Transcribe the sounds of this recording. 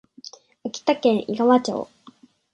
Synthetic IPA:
akʲi̥t̪akẽɰiɡaβat͡ɕo̰ː

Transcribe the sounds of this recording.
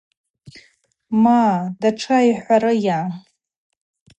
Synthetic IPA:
madaʈ͡ʂʰaiħʷaɾɨja

